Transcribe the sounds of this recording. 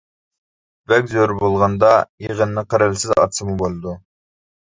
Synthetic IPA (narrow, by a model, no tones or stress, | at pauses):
bɛkʲzøɾbolˠʁɑnd̪ɑjeʁənːɨqʰəɾɪlsɪzɑ̰t̪sɨmubolˠɨd̪u